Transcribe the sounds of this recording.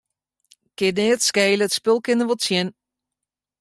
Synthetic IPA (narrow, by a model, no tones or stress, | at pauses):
kɪnɪːətskɛjləətspɪlˠkɪnəʋotsjɪn